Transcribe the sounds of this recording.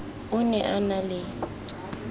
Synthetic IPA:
ʊnɛʔanalɪ

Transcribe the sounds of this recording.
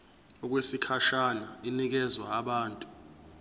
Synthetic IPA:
ɔk̬wesikʰaʃanainik̬ɛzwaːɓaːntʼu

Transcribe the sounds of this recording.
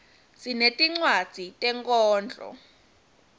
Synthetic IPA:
sinetʼiŋ͡ǀwad̥ʱitʼɛŋkʼɔːnd͡ɮʱʼɔ̰

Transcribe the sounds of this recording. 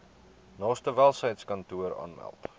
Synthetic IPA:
nɑːstəvælˠsəjtskɐntuəɾɑ̰ːnmæ̰lˠt

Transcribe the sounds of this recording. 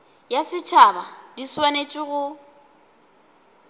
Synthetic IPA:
jasɪt͡ʃʰabadiswanet͡ʃʼɪɣʊ

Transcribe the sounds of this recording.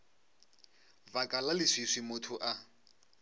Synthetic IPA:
bakʼalalɪsisimʊtʰʊʔa

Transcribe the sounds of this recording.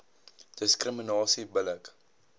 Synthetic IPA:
d̥əskrəminɑːsibələk

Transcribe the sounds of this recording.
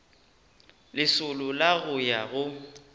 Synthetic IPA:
lɪsʊlʊlaɣʊjaɣʊ

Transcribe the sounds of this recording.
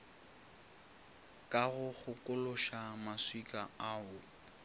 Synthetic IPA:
kʼaɣʊχʊkʼʊlʊʃamaswikʼaaːʊ

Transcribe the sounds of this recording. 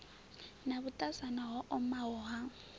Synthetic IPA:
nabʊtʼasanaɦɔʔɔmaɔːɦa

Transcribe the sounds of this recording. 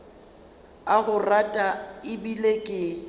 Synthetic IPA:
aɣʊratʼaɪbilekʼɪ

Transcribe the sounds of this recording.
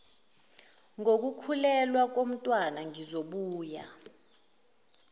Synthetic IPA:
ŋok̬ukʰulɛlwak̬om̩tʼwanaŋizoɓuːja̰

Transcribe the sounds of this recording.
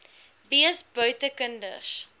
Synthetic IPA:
viəsbœɥtəkəndə̰ʃ

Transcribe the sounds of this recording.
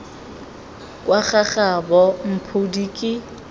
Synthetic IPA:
kʼwaχaχabɔm̩pʰʊdikʼɪ

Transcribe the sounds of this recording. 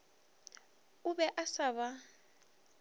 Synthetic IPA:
ubɛʔasaβa

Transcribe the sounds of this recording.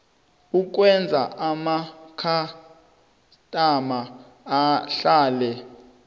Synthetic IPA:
uk̬wɛnd͡zʱaʔamakʰa | tʼamaː | ɬaːlɛ

